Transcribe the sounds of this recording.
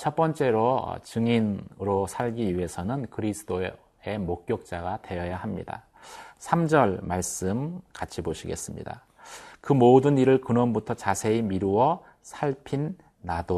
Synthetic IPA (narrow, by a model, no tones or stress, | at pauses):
t͡ɕʰʌp͈ʌnt͡ɕ͈e̞ɾo̰t͡ɕɯŋinɾosʰaɭɡiɥie̞sʰʌnɯnkɯɾisʰɯdo | e̞mok̚k͈jok̚t͡ɕ͈aɡatwe̞jʌjahamɲḭda̰ | sʰamd͡ʑʌɭmaɭs͈ɯmkat͡ɕʰiboɕʰiɡe̞̰s͈ɯmɲḭda̰ | kɯmodɯniɾɯɭkɯnʌmbutʰʌt͡ɕasʰe̞imiɾuwʌ | sʰaɭpʰinː | ado